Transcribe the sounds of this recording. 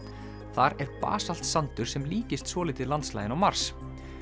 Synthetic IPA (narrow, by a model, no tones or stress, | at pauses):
θaɾɛɾpa̰ːsal̥t̪sant̪ʏɾ̥sɛmliːcɪst̪svɔːlɪt̪ɪlant̪sla̰ːjðɪnawmaɾ̥s